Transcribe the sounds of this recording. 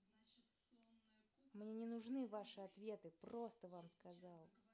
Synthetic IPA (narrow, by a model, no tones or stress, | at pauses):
mnʲenʲɪnʊʐnɨvaʂɨɐt̪vʲe̞t̪ɨpro̞st̪əvamskɐzalˠ